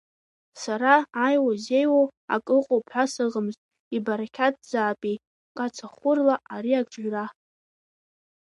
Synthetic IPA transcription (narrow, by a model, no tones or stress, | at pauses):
saɾaːjwazejwowa̰kʼɨqʼopʰħʷasɨʁəmztʼ | ibaɾakʲʰat̚ʰʼd͡zaːpʼi | kʼat͡sʰaχʷʊrlaaɾiaɡʼʈ͡ʂʼʒʷᶣra